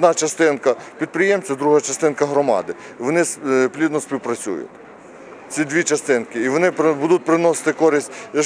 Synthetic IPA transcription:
d̪nɑt͡ʃɐst̪ɪnkɐpʲid̪̚pɾɪjɛmt͡sʲɐd̪ɾuɦat͡ʃɐst̪ɪnkɐɦɾɔmɑ̰d̪ɪ | ʋɔnɪsplʲid̪nɔsʲpʲiwpɾɐt͡sʲṵjʊ̰t̪ʲ | t͡sʲid̪ʲʋʲit͡ʃɐst̪ɪnkɪiʋɔnɪpbud̪ʊt̪̚ʲpɾɪnɔsɪ̥t̪ɪkɔɾʲɪsʲtʲjɐ

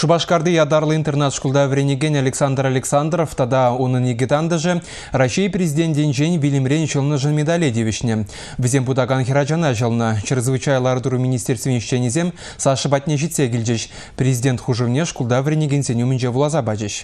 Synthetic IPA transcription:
ʃubɑʃkɑɾd̪əjɑd̪ɑɾlˠint̪e̞rnat̪ʃkulˠd̪ɑvɾʲenʲeɡʲenʲalʲeksand̪ralʲeksand̪roft̪ɑd̪ɑwonəneɡʲet̪and̪əʒə | raʃijprʲezʲid̪ʲent̪d̪ʲent̪ʒenʲbʲilʲɪmɾʲenʲʒəlˠnəʒənmʲed̪alʲed̪ʲevʲɪʃne | vɪzʲenbud̪ɑɡanxʲeɾaʒɑnɑʒəlˠənəʃɪɾəzvɨt͡ʃɑjlˠɑɾt̪uɾumʲinʲist̪ʲeɾst̪vʲenɪʃt̪ʲenʲezʲem | sɑʃəbɑt̪ʲnʲeʒit̪ʲseɡʲɪlʲd̪eʃ | prʲezʲidʲe̞nt̪χuʒəvnʲeʃkulˠd̪ɑvrʲenʲeɡʲenʲsʲenʲewmɪnʒevulˠɑzɑbɑd͡ʒeʃ

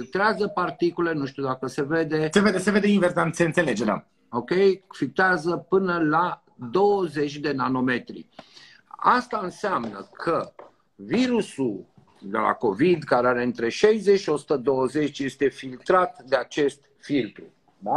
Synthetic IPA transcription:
filt̪ɾeazəpart̪ikule̞nuʃt̪ud̪akəse̞ve̞d̪e̞seved̪eseved̪einveɾsd̪anseɨnt̪sele̞d͡ʒea̰ | o̞kʲe̞jfik̚t̪eazəpɨnəla | d̪o̞wəze̞t͡ʃʲd̪e̞nano̞me̞t̪ɾḭ | a̰st̪aɨnseamnə̰kʰə | viɾusul | d̪ḛla̰ko̞vid̪kaɾeaɾe̞ɨnt̪ɾe̞ʃejze̞t͡ʃʃio̞su̥t̪əd̪o̞wəze̞t͡ʃje̞st̪e̞filt̪ɾat̪d̪e̞at͡ʃe̞st̪ | filt̪ɾu | a

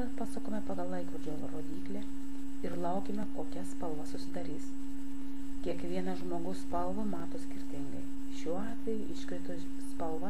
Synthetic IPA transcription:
ɛpɑːsɐkoːmʲɛpɑɡɐlˠlˠɐɪkʋɐɾʲd͡ʒʲoːʋɾoːd̪ʲiːklʲɛ | ɪɾlˠɐʊkʲemʲɛkoːkʲɛspɐlˠʋɐsʊsʲɪd̪ɐɾʲiːs | kʲiɛkʋʲiɛnɐʒmoːɡɐʊsspɐlˠʋɐmɑːt̪oːsʲkʲɪɾʲt̪ʲɪŋɡɐɪ | ʃʲuːɑːt̪ʲʋʲɛjʊʔɪʃʲkʲɾʲɪt̪o | spɐlˠʋɐ

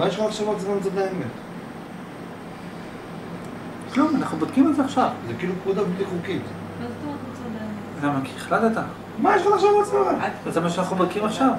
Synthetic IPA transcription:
majeʃlanaχʃavat͡smant͡sad̪aemet̪ | klumanaχnubod̪kimalzeaχʃavzekiːlukmud̪abliχukit̪ | azot̪oatmot͡sad̪am | zamakiiχlatet̪a | majeʃlanaχʃavatt͡smanazemaʃ̬eanaχnubod̪̥̚kimaχʃav

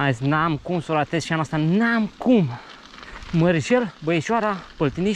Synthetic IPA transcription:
aznamkumsolat̪ezʃanost̪anamkum | məɾʒelbəeʃaɾapolt̪ini

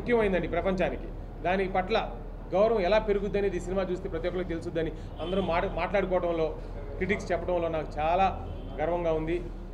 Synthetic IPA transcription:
ukjɐmɐjind̪ɐɳɖipɾɐpɐɲt͡ʃaːniki | d̪aːnikipɐʈlɐ | ɡɐwɾɐʋɐ̃mɛlaːpe̞ɾuɡud̪ːɐneːd̪iːsinimaːt͡ʃuːst̪eːpɾɐt̪ːjɔːkɐlokt̪elusud̪ːɐni | ɐnd̪ɐɾumaːmaːʈlaːɽukɔːʋɐʈɐmlo̞ː | kɾiʈikst͡ʃɛpːɐʈɐmlo̞ːnaːku̥t͡ʃaːlaː | ɡɐɾɐʋɐŋɡaːund̪i

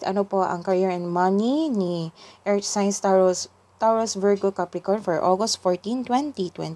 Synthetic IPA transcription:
ɐ̰nopoʔɐ̰ŋkɐɾɛɹɛnmɐniniʔɛɹt͡ʃsajnst̪ | t̪aɹosvɛɹɡʊkapɾɪkɔnfɔɹʔoɡɔst̪fɔɹt̪ĩnt̪wɛnt̪it̪wɛ̰nt̪

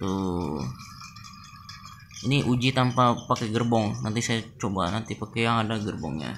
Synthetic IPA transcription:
t̪u | iniʔud͡ʒit̪ampapakɛɡərbɔŋnant̪isajat͡ʃobanant̪ipakɛjaŋadaɡərbɔ̰ŋɲa̰

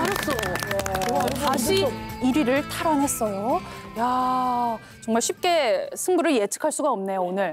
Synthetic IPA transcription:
tʰaɾas͈o | aɕʰiiɾiɾɯɭtʰaɾanes͈ʌjoja | t͡ɕʌŋmaɭɕʰip̚k͈e̞sʰɯŋbuɾɯɭje̞t͡ɕʰɯ̥kʰaɭs͈uɡaʌmne̞joonɯɭ

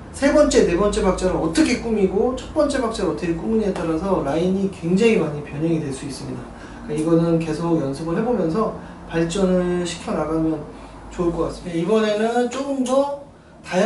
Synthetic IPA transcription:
sʰe̞bʌnt͡ɕ͈e̞ne̞bʌnt͡ɕ͈e̞bak̚t͡ɕ͈eɾɯɾʌt͈ʌkʰe̞k͈umiɡot͡ɕʰʌt̚p͈ʌnt͡ɕ͈e̞bak̚t͡ɕ͈eɾɯʌt͈ʰʌkʰek͈umuɲiɦet͈aɾasʰʌɾaiɲikwe̞ŋd͡ʑaŋimaɲipjʌɲɦʌŋidwe̞ɭs͈uis͈ɯmɲida | k͈aiɡʌnɯnke̞sʰoɡjʌnsʰɯɡɯɭɦe̞bomjʌnsʰʌ | paɭt͡ɕ͈ʌnɯɭɕʰi̥kʰjʌnaɡamjʌn | t͡ɕoɯɭk͈ʌk͈as͈ɯmiteibʌne̞nɯnt͡ɕ͈oɯmdʌ | taj

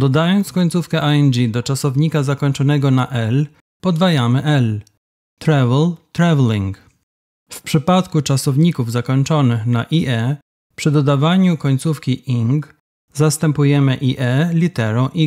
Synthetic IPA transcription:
d̪ɔd̪ajɔnt̪skɔɲt̪sufkɛʔaɛnd͡ʒid̪ɔt͡ʂasɔvɲikazakɔɲt͡ʂɔnɛɡɔnaʔɛl | pɔd̪vajamɘʔɛl | t̪ɾavlt̪ɾavliŋk | fpʂɘpat̪kut͡ʂasɔvɲikuvzakɔɲt͡ʂɔnɘxnaʔiʔɛ | pʂɘd̪ɔd̪avaɲukɔɲt̪sufkʲiʔiŋɡ | zast̪ɛmpujɛmɘʔiʔɛlʲit̪ɛɾɔ̃w̃ʔi

